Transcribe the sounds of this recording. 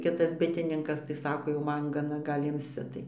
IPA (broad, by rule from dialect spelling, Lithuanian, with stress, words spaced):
ˈkʲɪtɐs ˈbʲɪtʲɪnʲɪŋkɐs tɐɪ ˈsɑːkoː jɛʊ ˈmɐn ɡɐˈnɐ ˈɡɐlʲ ˈɪmʲsʲɪ tɐɪ